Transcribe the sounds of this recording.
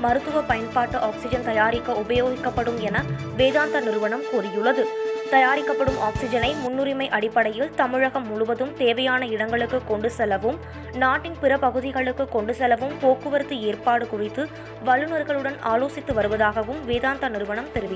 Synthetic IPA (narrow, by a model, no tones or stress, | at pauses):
mɐɾɯt̪ːɯʋɐpɐjɐnpaːʈːɯʔaːksɪd͡ʒɐnt̪ɐjaːɾɪkːɐʊbɐjoːɣɪkːɐpːɐɽɯmɛnɐ | ʋeːðaːnt̪ɐnɪɾɯʋɐɳɐmkurɪjɯɭːɐðɯt̪ɐjaːɾɪkːɐpːɐɽɯmʔaːksɪd͡ʒɐnɐɪmʊnːʊɾɪmɐɪʔɐɽɪpːɐɽɐjɪlt̪ɐmɯɻɐɣɐmːʊɻʊʋɐðɯmt̪eːʋɐjaːnɐɪɽɐŋɡɐɭɯkːɯkːɔɳɖɯsɛlːɐʋɯm | naːʈːɪnpɪɾɐpɐɣɯðɪɣɐɭɯkːɯkːɔɳɖɯsɛlːɐʋɯmpoːkːɯʋɐɾɯt̪ːɯeːrpaːɽɯkʊrɪt̪ːɯ | ʋɐɭːɯnɐɾɣɐɭɯɽɐnaːloːsɪt̪ːɯʋɐɾɯʋɐðaːɣɐʋɯmʋeːðaːnt̪ɐnɪɾɯʋɐɳɐmt̪ɛɾɯʋɪ